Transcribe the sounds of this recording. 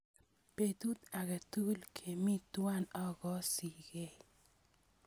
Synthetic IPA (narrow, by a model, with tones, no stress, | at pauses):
pe˨t̪u˦t̪a˨ɡe˨t̪u˦lkʰe˨mi˦t̪wa˦nɔ˦ɡɔ˦si˨ɡe˦˨